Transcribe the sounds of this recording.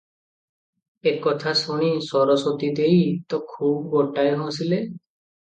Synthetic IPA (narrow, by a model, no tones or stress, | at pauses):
ekɔt̪ʰasuɽ̃isɔɾɔsot̪id̪ejt̪ɔkʰubɡoʈajɦõsile